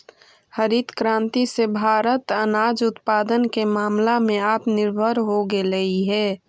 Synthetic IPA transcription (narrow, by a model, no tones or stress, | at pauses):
həɾit̪kɾãːnt̪isebʱaːɾət̪ənaːd͡ʒʊt̪paːd̪ənkemaːmlamẽaːpnɪɾbʱəɾɦoɡeləiɦɛː